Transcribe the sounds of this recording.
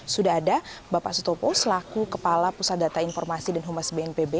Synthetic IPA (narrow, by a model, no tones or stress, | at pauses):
sudaɦːdabapa̰ʔsut̪ɔpɔsəlakukəpalapusat̪̚dat̪ainfɔrmasidanɦumasbeɛnpebe